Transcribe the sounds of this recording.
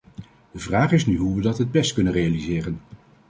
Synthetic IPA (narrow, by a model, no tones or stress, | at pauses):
d̥əvraːχɪsnyɦuʋədɑtɦəd̚bɛstkɵnənrejalizɪːrən